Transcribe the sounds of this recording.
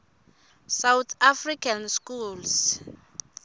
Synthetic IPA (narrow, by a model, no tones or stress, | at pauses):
sawt̪ʰafrikʰanskuls